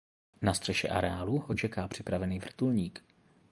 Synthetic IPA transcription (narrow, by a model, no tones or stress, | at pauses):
nast̪r̥ɛʃɛ̰ʔa̰ɾɛaːluʔot͡ʃɛkaːpr̝̥ɪpɾavɛniːvr̩t̪ulɲiːk